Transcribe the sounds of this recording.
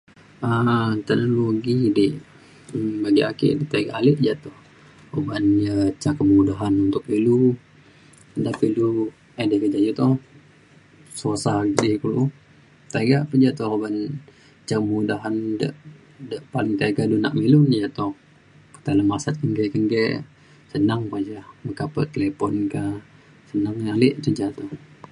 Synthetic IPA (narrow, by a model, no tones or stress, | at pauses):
ət̪ɛnoloɡideʔ | baɡiakḛʔdet̪aɡaʔalɪʔd͡ʒat̪ɔh | obanjat͡ʃakəmudaɦanunt̪ʊk̚pilu | dapilu | adekəd͡ʒajut̪ɔh | sosaɡdɪkulu | t̪aɡaʔpəd͡ʒat̪ɔoban | t͡ʃakəmudaɦandə̰ʔ | dəʔpalɪŋt̪aɡaduna̰ʔmilʊnjət̪ɔh | kə̥t̪aləmasat̪̚kəŋɡɛʔkəŋɡɛʔ | sənaŋpəd͡ʒahməkapə̰t̪əlepɔnka | sənaŋalɪʔtəd͡ʒat̪ɔh